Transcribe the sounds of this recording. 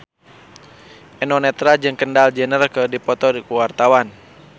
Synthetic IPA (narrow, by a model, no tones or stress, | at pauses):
ʔɛnɔnɛt̪ɾad͡ʒɨŋkəndald͡ʒənərkədipɔt̪ɔdikuwart̪awan